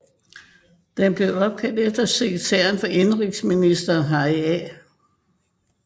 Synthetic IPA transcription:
d̥emb̥le̝ʊɒ̽b̥̚kʰæl̰d̥efd̥ɐseɡ̥t͡sʰḛːɐnfɒ̽ʔe̝nʁiɡ̥sminisd̥ɐːɦɑ̈ɪɛ

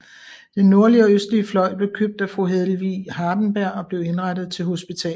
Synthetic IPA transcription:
d̥enːo̝ɐliɒøsd̥liəflɒ̽ɪ̰b̥le̝ʊkʰøb̥̚d̥æfʁuɦeðˠl̩ʋihɑ̈ːd̥n̩b̥æɐ̰ɒ̽b̥le̝ʊe̝nʁad̥ð̩ˠt͡sʰe̝lɦo̝sb̥it͡sʰɛ̰ː

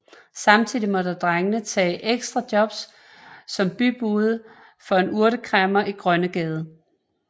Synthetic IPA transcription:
sɑ̈mt͡sʰið̰ˠimɒ̽dad̥ʁaŋənət͡sʰɛ̰ːʔeɡ̥sd̥ʁɑd̥jɒ̽b̥sː | ɒ̽mb̥yb̥uːð̩ˠ | fɒ̽e̝nuɐɾəkʰʁɛmɐʔiɡ̥ʁɶnəɡ̥ɛːð̞ˠə

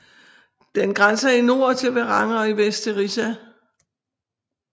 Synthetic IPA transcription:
d̥enɡ̥ʁansɐino̝ɐ̰t͡sʰeʋeʁɑ̈ŋɒ̽iʋesd̥ʰeʁisæ

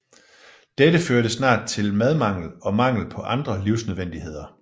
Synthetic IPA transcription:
d̥edəføːɐɾ̥əsnɑ̰̈ːd̥̚t͡sʰe̝lmæð̞ˠmɑ̈ŋ̰l̩ɒ̽mɑ̈ŋ̰l̩pʰɒ̽ʔɑ̈nd̥ʁɐliʊ̰snøðˠʋen̰d̥ihe̝ð̞̰ˠɐ

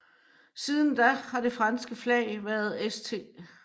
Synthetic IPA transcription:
siːð̞ˠn̩d̥æhɑ̈d̥e̝fʁɑ̈nsɡ̥əflɛ̰ɪʋæɐð̞̩ˠest͡sʰe̝̰ː

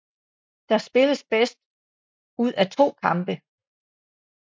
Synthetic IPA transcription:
d̥ɑ̈sb̥e̝ləsb̥esd̥ | uð̞̰ˠæt͡sʰo̝̰ːkʰɑ̈mb̥ə

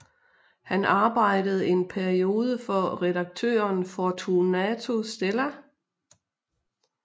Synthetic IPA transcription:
hænɑ̈ːb̥ɑ̈ɪ̰d̥əð̞̩ˠe̝npʰæɐio̝ːð̞ˠəfɒ̽ʁɛd̥ɑ̈ɡ̥̚t͡sʰø̰ːɐnfɒt͡sʰunæt͡sʰo̝sd̥elæ

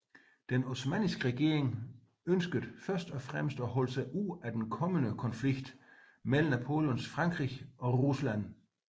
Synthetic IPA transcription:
d̥enosmɛ̰nisɡ̥əʁɛɡ̥e̝̰ɐ̰eŋ | ønsɡ̥əð̩ˠfɶɐsd̥ɒ̽fʁamsd̥ɒɦɒ̽ləsɑɪʔuð̰ˠæd̥enkʰɒ̽mənəkʰɒ̽nfliɡ̥d̥ | mel̰n̩æpʰo̝̰ːlənsfʁɑ̈ŋɡ̥ʁiɒ̽ʁuslæn̰

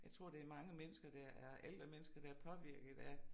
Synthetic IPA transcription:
jɑ̈ɪt͡sʰʁo̝ɐ̰d̥e̝ɐmɑ̈ŋəmenəsɡ̥ɐd̥ɑʔæɐʔeld̥ʁɐmenəsɡ̥ɐd̥ɑ̈æɐɐpʰɒ̽ʋiɐ̰ɡ̥ð̩ˠæ

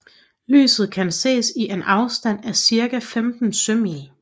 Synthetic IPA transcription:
ly̰ːsð̞̩ˠkʰænse̝̰ːsiʔe̝nʔɑ̈ʊsd̥æn̰æsiɐɡ̥æfemd̥n̩søm̰i

